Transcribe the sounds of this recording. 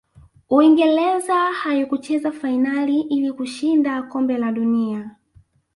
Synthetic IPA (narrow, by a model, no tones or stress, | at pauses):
uiŋɡɛlɛzahajɔkut͡ʃɛzafainaliʔilikuʃindakɔmbɛlaɗunia